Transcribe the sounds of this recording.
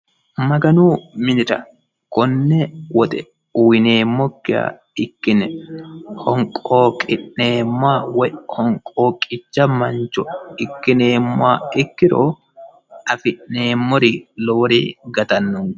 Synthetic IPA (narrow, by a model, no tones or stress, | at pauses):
mɐɡɐnuːmɪnɪɾɐ̰ | kɔnːɛwɔt̪ʼɛ | uwɪneːmːɔkːɪa̰ | ɪkːɪnɛhɔŋkʼoːkʼɪʔneːmːaːwɛhɔŋkʼoːkʼɪt͡ʃːɐmɐnt͡ʃɔɪkːɪneːmːa̰ːɪkːɪɾo̰ː | ɐfɪʔnːeːmːɔɾiloːɾḭːɡɐt̪ɐnːʊŋ